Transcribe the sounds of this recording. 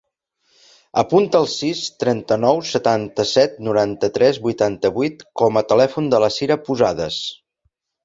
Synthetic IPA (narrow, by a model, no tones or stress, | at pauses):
əpunt̪əːlˠsist̪ɾɛnt̪ənɔwsət̪ant̪əsɛt̪nuɾant̪ət̪ɾɛzbujt̪ant̪əβuit̪kɔmət̪əlɛfund̪ələsiɾəpuzaðəs